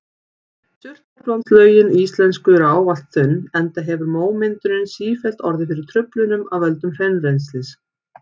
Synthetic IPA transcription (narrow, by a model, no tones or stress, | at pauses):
sʏr̥t̪at̪vant̪slœːɥjɪniist̪lɛnskʏɾaːwvalt̪θʏnːɛnt̪aɦɛvʏɾmoːwmɪnt̪ʏnɪnsiːfɛl̥t̪ɔɾðɪfɪɾɪɾ̥t̪ʰɾʏplʏnʏmawvœlt̪ʏmr̥ɛnrenslɪs